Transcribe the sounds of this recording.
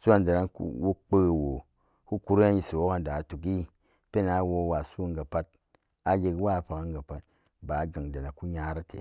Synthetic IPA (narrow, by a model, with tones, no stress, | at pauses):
su˦a˦nda˨na˦nkṵ˦wo˦k͡pə˦˨wo˨ | ku˦ku˦ɾe˦a˦ji˨si˨wo˦ka˦n˨da˨tu˨k̬i˦ | pe˦na˨˦wo˧˦wa˨su˦a˨ŋɡa˨pa˦t̚ | a˨je˨kwa˦˨ɸa˨ka˦ŋɡa˨pa˦t̚ | ba˨˦ɡa˨ŋda˨na˨ku˦ɲa˦ɾa˦tʰḛ˨